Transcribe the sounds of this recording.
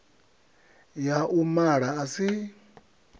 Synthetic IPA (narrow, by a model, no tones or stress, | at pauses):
jaʔumaɺaːsi